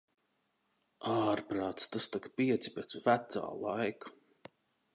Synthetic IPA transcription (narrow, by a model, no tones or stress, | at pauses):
aːɾpɾaːt̪st̪ast̪akpiɛt̪si̥pʲet̪svæt̪sa̰ːlˠajku̥